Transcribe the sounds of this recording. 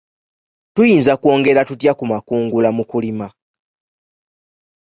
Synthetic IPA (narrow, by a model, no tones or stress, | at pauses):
tujiːnzakwo̞ːŋɡe̞ɾatut̬jakumakuːŋɡulamukulima